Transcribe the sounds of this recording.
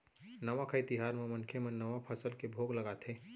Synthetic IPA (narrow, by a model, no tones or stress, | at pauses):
nəʋakʰəjt̪iɦaːɾmẽmənkʰemənːəʋapʰəsəlkebʱoːɡləɡat̪ʰeː